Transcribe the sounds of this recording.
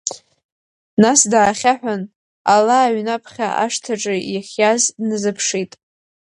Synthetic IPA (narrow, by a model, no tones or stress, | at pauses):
nasdaːχʲaħᶣʷan | alaːɥnapʰχʲa̰ʔa̰ʂtʰaʈ͡ʂʼɨjaχʲjaznɨzɨpʰʂitʼ